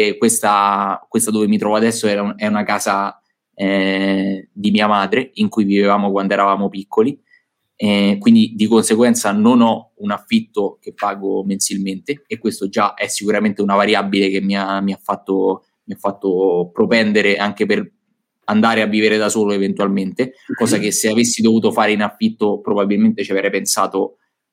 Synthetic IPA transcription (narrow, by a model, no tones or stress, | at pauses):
kwest̪akwest̪ad̪ovemit̪ɾɔvoad̪ɛsːoɛɾaɛunakaːza | ɛ | d̪imiːamaːd̪ɾeiŋkujvivevaːmokwand̪oɛɾavaːmopikːoli | ɛkwind̪id̪ikonseɡwɛnt̪sanonɔunafːit̪ːokepːaːɡomensilment̪eːkwest̪od͡ʒaʔɛsːikuɾament̪eunavaɾjabːilekemːiamiafːat̪ːo | miafːat̪ːopɾopɛnd̪eɾeʔaŋkeper | and̪aːɾeavːiːveɾed̪asoːloevent̪ualment̪ekɔːzak̟esːeavesːid̪ovuːt̪ofaːɾeinafːit̪ːopɾobabːilment̪et͡ʃiavɾɛjpensa̰ːt̪o